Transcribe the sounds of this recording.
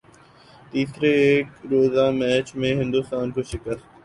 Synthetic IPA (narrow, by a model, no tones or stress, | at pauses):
t̪iːsɾeeːkɾoːzamɛːt͡ʃmẽɦɪ̃nd̪ʊst̪aːnkoʃɪkəɾ